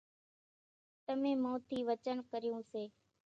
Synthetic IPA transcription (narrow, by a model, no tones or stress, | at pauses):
t̪əmẽːmõːt̪ʰiːʋət͡ʃənkəɾɪjũːseː